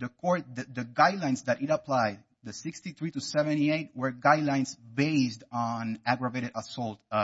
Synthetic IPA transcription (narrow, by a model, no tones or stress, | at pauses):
ðəkʰɔɹt̚ɨðəɡaɪdˡlãɪ̃nsd̪æɾɨɾəpʰlaɪd̚ | ðəsɪkstiθɹitusɛvɛ̃ntieɪt̚wə˞ɡaɪdˡlãɪ̃nsbeɪsdn̩æɡɹəveɪɾɨɾəsɔlˠt